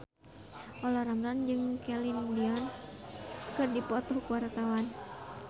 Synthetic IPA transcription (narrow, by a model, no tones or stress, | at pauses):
ʔɔlaɾamɾand͡ʒɨŋkɛlindiɔn | kɨrdipɔt̪ɔkuwart̪awan